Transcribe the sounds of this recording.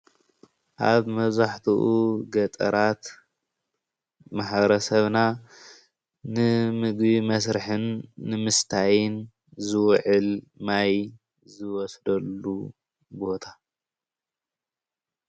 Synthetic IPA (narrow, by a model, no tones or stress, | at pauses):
ʔaβmɐβzaħt̪ʰuʔuɡɐt̪ʼɐ̰ɾat̪ | maħbɾɐsɐβna | nɨmɨɡbimɐsɾɨħɨnːɨmɨst̪ʰajɪn | zɨwʕɨlmaj | zɨwɔsd̪ɐlːu | bo̞t̪ʰḁ